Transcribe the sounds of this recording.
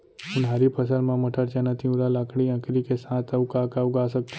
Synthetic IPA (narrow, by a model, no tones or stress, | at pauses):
ʊnɦaɾipʰəs̬əlmãməʈʰəɽt͡ʃanat̪ʰiũɾalaːkɽiə̃kɾikesãːt̪əʊkaːkaʊɡas̬ək̚t̪